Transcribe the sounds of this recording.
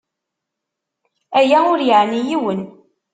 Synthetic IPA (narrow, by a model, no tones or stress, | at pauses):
æjæʊɾjəʕnijiwən